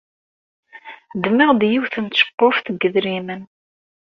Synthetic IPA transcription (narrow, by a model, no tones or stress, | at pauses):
d̪mɪʁd̪jiwθənʃə̥qːofθəɡːəðɾimən